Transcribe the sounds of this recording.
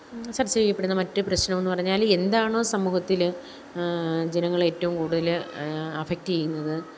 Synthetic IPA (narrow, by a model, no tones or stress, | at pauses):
sɐrt͡ɕejijɐpːeɽunːɐmɐtːɨprɐɕnɐmonːɨpɐrɐɲːaːle̞nd̪aːɳo̞ːsɐmːuːhɐt̪ːil | d͡ʑenɐŋːɐɭe̞ːtːɐʋumkuːɽuðɐlɐfek̚tt͡ɕejːunːɐðɨ